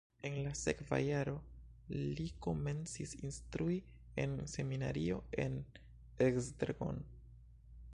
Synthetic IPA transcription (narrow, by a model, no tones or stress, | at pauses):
e̞nlase̞kva̰jaɾo̞ | liko̞me̞nt͡sisinstɾui | e̞̰nse̞mina̰ɾio̞e̞n | eksdeɾɡo̰n